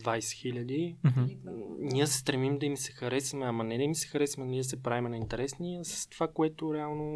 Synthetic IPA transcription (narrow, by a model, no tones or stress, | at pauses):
d̪vajsɛ̥xilʲəd̪i | niəsɛ̥st̪ɾɛmimd̪ɐimisɛ̥xɐɾɛsimɛɐmɐnɛd̪ɐmisɛ̥xɐɾɛsimɛniəsɛpɾavimɛnɐint̪ɛɾɛsniɐsə̥st̪ov̥akoɛt̪ʊɾɛalˠno